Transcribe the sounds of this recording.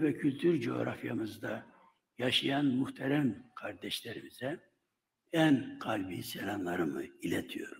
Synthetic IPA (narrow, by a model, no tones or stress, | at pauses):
vɛcʰylʲt̪ʰyɾd͡ʒo̞o̰ɾʔa̰fjamɯzd̪a | jaʃɯjanmuht̪ʰɛɾæmkʰaɾd̪ɛʃlʲɛɾimiz̥ɛ | ænkʰalʲbisɛlʲanlˠɑɾɯmɯilʲɛt̪ʰijo̞̰ɾ